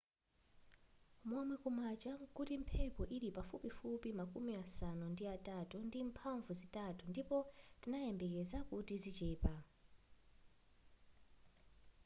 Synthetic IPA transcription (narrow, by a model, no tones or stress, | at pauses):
mɔmwɛkumat͡ʃakutim̩pʰɛpɔʔiɾipafupifupimakʼumiasanundiatʼatundim̩pʰaɱvuzitʼatundipɔtinajɛmbɛk̬ɛzakutizit͡ʃɛːpa